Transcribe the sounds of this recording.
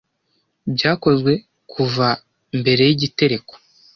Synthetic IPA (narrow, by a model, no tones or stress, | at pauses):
bɟaːko̞zɡwe̞ | kʰuva | mbe̞ɾe̞jiɟite̞ɾe̞ko̥